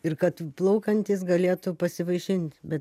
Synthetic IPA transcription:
ɪrkɐt̪plˠɐʊkɐnʲt̪ʲiːsɡɐlʲeːt̪ʊpɐsʲɪʋɐɪʃʲɪnʲt̪ʲbʲɛt̪

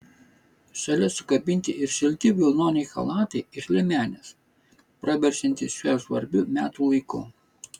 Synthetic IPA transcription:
ʃɐlʲɛsʊkɐbʲɪnʲt̪ʲɪʔɪɾʃʲɪlʲt̪ʲɪʋʲɪlˠnoːnʲɛɪxɐ̰lˠɑːt̪ɐɪɪʃlʲɪmʲæːnʲes | pɾɐʋʲɛɾʲsʲɪnʲt̪ʲɪʃʲɛsʋɐɾʲbʲʊmʲæːt̪uːlˠɐɪkʊ

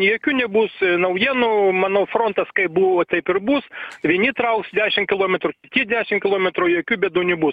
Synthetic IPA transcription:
joːkʲuːnʲɛbuːsnɐʊjiɛnuːmɑːnoːfɾoːnt̪ɐskɐɪpbuːʋoːt̪ʲɐɪpɪrbuːsʋʲiɛnʲɪt̪ɾɐʊksd̪ʲæːʃʲɪmkʲɪlˠoːmʲɛt̪ɾʊkʲɪt̪ʲiɛd̪ʲæːʃʲɪmkʲɪlˠoːmʲɛt̪ɾʊjoːkʲuːbʲɛd̪uːnʲɛbuːs

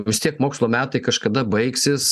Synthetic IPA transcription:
ʋʲɪst̪ʲiɛkmoːkslˠoːmʲæːt̪ɐɪkɐʃkɐd̪ɐbɐɪksʲɪs

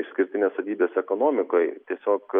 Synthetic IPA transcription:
ɪʃsʲkʲɪɾʲt̪ʲɪnʲeːssɐt̪ʲiːbʲeːsɛkoːnoːmʲɪkoːjt̪ʲiɛsʲoːk

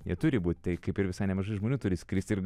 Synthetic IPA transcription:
jiɛt̪ʊɾʲɪbuːt̪ʲt̪ɐɪkɐɪpɪɾʋʲɪsɐɪnʲɛmɐʒɐɪʒmoːnʲuːt̪ʊɾʲɪsʲkɾʲiːsʲt̪ʲɪɾɡ

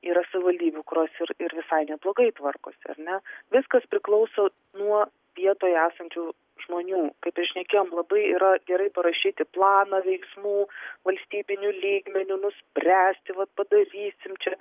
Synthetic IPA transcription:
iːɾɐsɐʋʲɪʋɐlʲd̪ʲiːbʲukʊɾʲoːsɪɾɪɾʋʲɪsɐɪnʲɛblˠoːɡɐɪt̪ʋɐrko̰ːsʲɪɐ̰ɾnʲɛʋʲɪskɐspʲɾʲɪklˠɐʊsoː | nuɔ | ʋʲiɛt̪oːjæːsɐnʲt͡ʃʲuː | ʒmoːnʲuːkɐɪpɪʃʲnʲɛkʲeːjoːmlˠɐbɐɪiːɾɐɡʲɛɾɐɪpɐɾɐʃʲiːt̪ʲɪplˠɑːnɑʋʲɛɪksmuːʋɐlʲsʲt̪ʲiːbʲɪnʲʊlʲiːɡmʲɛnʲʊnʊsʲpʲɾʲæːsʲt̪ʲɪʋɐt̪̚pɐd̪ɐɾʲiːsʲɪmt͡ʃʲɛ

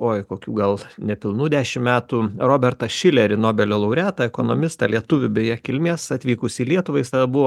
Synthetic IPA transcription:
oːjkoːkʲuːɡɐlˠnʲɛpʲɪlˠnuːd̪ʲæːʃʲɪmmʲæːt̪uːroːbʲɛrt̪ɐʃʲɪlʲɛɾʲɪnoːbʲɛlʲoːlˠɐʊɾʲæːtt̪ɐɛkoːnoːmʲɪst̪ɐlʲiɛt̪ʊʋʲʊbʲɛjɛkʲɪlʲmʲeːsɐt̪ʲʋʲiːkʊsʲiːlʲiɛt̪ʊʋɐɪst̪ɐːd̪ɐbʊʋoː

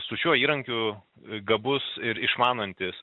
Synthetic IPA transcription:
sʊʃʲuɔiːɾɐŋʲkʲʊ | ɡɐbʊsɪɾɪʃmɑːnɐnʲt̪ʲɪs

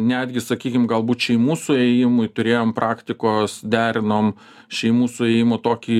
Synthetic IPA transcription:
nʲæːd̪ʲɡʲɪsɐkʲiːkʲɪmɡɐlˠbuːt̪ʃʲɛɪmuːsʊɛːjɪmʊɪt̪ʊɾʲeːjoːmpɾɑːkt̪ʲɪkoːsd̪ʲæːɾʲɪnoːm | ʃʲɛɪmuːsʊɛːjɪmoːt̪oːkʲiː

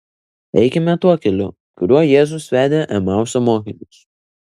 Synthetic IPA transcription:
ɛ̰ɪkʲɛmʲɛt̪uɔkʲɛlʲʊ̰ | kʊɾʲuɔjeːzʊsʋʲæːd̪ʲeʔɛmɑˑʊsʲomoːkʲɪnʲʊs

